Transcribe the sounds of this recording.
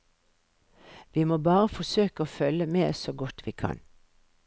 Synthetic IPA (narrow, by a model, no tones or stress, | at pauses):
ʋiːmoːbɑːʁəfɔsøːkəoːfœləmeːsoːɡɔt̪ʋiːkʰɑ̰n